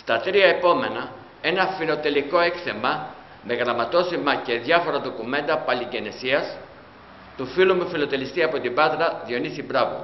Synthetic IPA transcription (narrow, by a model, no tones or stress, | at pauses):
st̪ɐt̪ɾiɐe̞po̞me̞nɐ | e̞nɐfilo̞t̪e̞liko̞ekθe̞mɐ | me̞ɣɾɐmɐt̪o̞simɐce̞ðʝɐfo̞ɾɐðo̞kume̞nd̪ɐpɐliɲɟe̞ne̞siɐs | t̪ufilumufilo̞t̪e̞list̪iɐpo̞t̪ibɐt̪ɾɐðio̞nisibɾɐvo̰